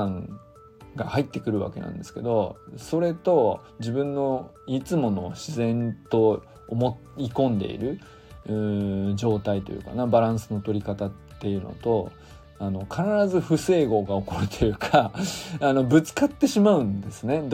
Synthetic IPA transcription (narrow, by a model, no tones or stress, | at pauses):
ãŋ | ɡahait̪ːe̞kɯ̟ɾɯ̟βa̰ke̞nã̰nd̪e̞sɨ̥ke̞̰d̪o̞so̞ɾe̞t̪o̞ | d͡ʑibɯ̟̃nːo̞ | it͡sɨmo̞no̞ɕizẽ̞nt̪o̞ | mo | ikõ̞nd̪e̞̰ḭɾɯ̟ | ɯ̃d͡ʑo̞ːt̪ait̪o̞̰jɯ̟̰ːka̰nabaɾãɰ̃sɨno̞t̪o̞ɾʲikat̪aːe̞jɯ̟ːno̰t̪o̞ | ano̞kʰanaɾazɨɸɯ̟se̞ːɡo̞ːɡaoko̞ɾɯ̟t̪ʰojɯ̟kʰaano̞bɯ̟t͡sɨ̥kat̪ːe̞ɕimaɯ̟̃nd̪e̞sɨne̞d̪